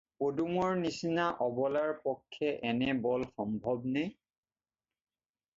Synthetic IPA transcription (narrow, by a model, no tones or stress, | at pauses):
podumɔɹnisinaʔɔbɔlaɹpɔkʰːɛʔɛnɛbɔlxɔmbʱɔbnaj